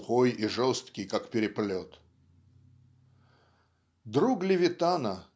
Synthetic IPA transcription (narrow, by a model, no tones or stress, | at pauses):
xojiʐɔst̪kʲɪjkakpʲɪɾʲɪplʲot̪ | d̪ɾuɡlʲɪvʲɪt̪anə